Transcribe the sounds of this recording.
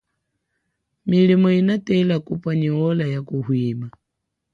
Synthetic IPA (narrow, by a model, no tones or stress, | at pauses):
milimɔinatʼɛlakupfaɲiwɔlajakuɦwiːma